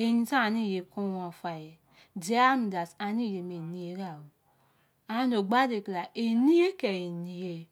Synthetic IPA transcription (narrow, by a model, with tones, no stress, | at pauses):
e˨ɲi˦sa˦a˨ni˦˨je˨ku˦wo˨fa˨je˨ | di˦a˦m˨da˨sa˨ni˦˨je˨me˨ni˦je˦ɡa˨wu˨ | a˨˦no˨ɡ͡ba˦de˨kla˨ʔe˨ni˦je˦ke˨e˨ni˦je˦